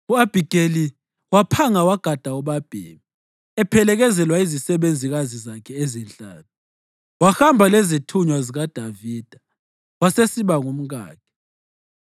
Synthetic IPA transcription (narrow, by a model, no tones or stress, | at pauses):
uab̥ʱiɡ̥ʱʼeli | wapʰaŋawaɡ̥ʱad̥ʱaɔβab̥ʱḛːmi | ɛpʰɛlɛɣɛzɛlwaizisɛβend͡zʱiɣazizakʰɛezint͡ɬʼa̰ːnʰu | waxambʱalɛzitʰuɲwaziɣad̥ʱaviːd̥ʱa | wasesiβaŋum̩ɣa̰ːkʰɛ̥